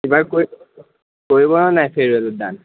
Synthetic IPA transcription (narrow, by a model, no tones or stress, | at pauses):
ibaɹkoi | koɹibɔnɔnajpʰeɹueluda̰n